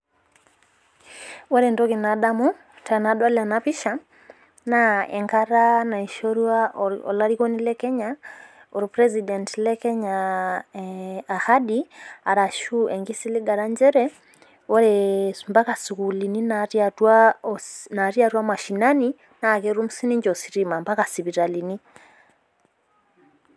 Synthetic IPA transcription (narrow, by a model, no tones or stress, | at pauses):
wɔɾɛndɔkenaɗamu | tanaɗwalanapiʃa | naɛ̰ŋkaɾanaiʃɔɾuaʔɔ̰laɾiɣɔnilɛkɛɲa | ɔɾipɾɛzidɛntlɛkɛɲa | ahaɗiaɾaʃuʔɛŋɡisiliɡaɾaɲd͡ʒɛɾɛ | ɔɾɛmbakasukulininaɾjatwa | naɾjaɾwamaʃinani | nakɛɾumusiniɲd͡ʒɔsiɾimambakasiβiɾalini